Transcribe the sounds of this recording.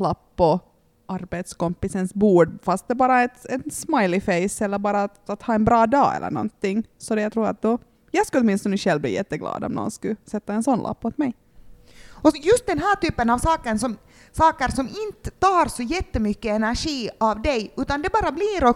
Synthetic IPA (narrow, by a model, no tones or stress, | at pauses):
lapːɔ | ʔaɾbeːt̪skɔmpɪsənsbuːɖfast̪̚d̪ɛbɑːɾaɛt̪ɛnsmajlɪfeɪsɛlːəɾbɑːɾat̪at̪hɑːɛnbɾɑːd̪ɑ̰ːɛ̰lːə̰ɳɔ̰nt̪ːɪŋːsɔd̪ɛjat̪ʰɾuːɾa̰t̪̚d̪ɔ | jɑɡskɵɔt̪mɪnst̪ɔnəɕɛlːvblḭːjɛt̪ːəɡlɑ̰ːd̪ɔ̰mnɔ̰ːnskʉsɛt̪ːaɛnsɔnlʔa̰pːɔt̪mɛj | ɔjɵst̪̚d̪ɛnɦæːʈyːpːənɑvsɑːkənsɔm | sɑːkəɾsɔmɪnt̪əɑːɾsɔjɛt̪ːəmʏkːəɛnæɾʂiːavd̪ɛjʉːt̪and̪ɛbɑːɾabliːɾɔ